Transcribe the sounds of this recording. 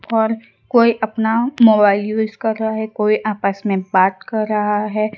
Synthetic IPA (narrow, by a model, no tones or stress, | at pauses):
ɔːɾ | koːiʔɐpnamoːbaːɪljuːzkɐɾːaɦaɦɛkoːiʔaːpəsmẽbaːt̪kɐɾːɐɦaɦɛː